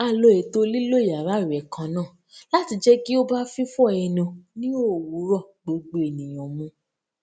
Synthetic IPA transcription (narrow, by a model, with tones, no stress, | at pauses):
a˧˨lo˧˨e˨to˧˦li˦lo˦˨ja˨ɾa˨˦˨ɾɛ˨kã˧˦nãː˦˨ | la˦ti˧d͡ʒɛ˦ki˦o˦ba˦fi˦fɔ˦ɛ˧˨nũ˧nĩ˦o˦˨wu˨˦ɾɔ˦˨ɡ͡bo˧ɡ͡bo˧e˨nĩ˨j̃ɔ̃˨mũ˨˧˦